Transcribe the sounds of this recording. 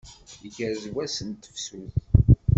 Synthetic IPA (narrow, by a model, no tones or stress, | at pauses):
əkːæɾzwæsənt̪ə̥fsuθ